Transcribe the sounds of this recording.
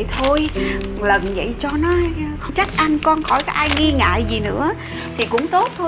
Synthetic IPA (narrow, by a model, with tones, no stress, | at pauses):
jt̪ʰo˧jlə˨˩nvə̰˧˨jt͡ɕɔ˧nɔ˨˦xŋ͡mt͡ɕa˦˥k̚ʔa˧ŋkɔ˧nxɔ˧˩jkaː˦kʔaː˧jŋi˧ŋa̰ː˧˨jzi˨˩nɨ̰˧˥ə | t̪ʰi˨˩kʊ̰˧˥ŋ͡mt̪o˦˥t̚t̪ʰːo˧